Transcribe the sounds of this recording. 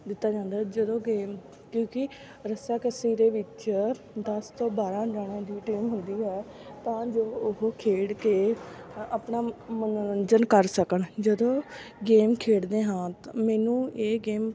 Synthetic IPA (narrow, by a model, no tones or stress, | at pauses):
d̪ɪt̪ːaːd͡ʒãːnd̪aːd͡ʒəd̪õːɡeːm | kjõːkɪ | ɾəsaːkəsiːɾeːʋɪt͡ʃ | d̪əst̪õːbaːɾãːɾaːɽãːd̪iːʈiːmɦʊnd̪iːɦɛː | t̪ãːd͡ʒoːʊɦoːkʰeːɽkeːaːpɳaːmənɾənd͡ʒənkəɾsəkəɳd͡ʒəd̪õːɡeːmkʰeːɽd̪eːɦãːt̪ãmɛːnũːeːɡeːm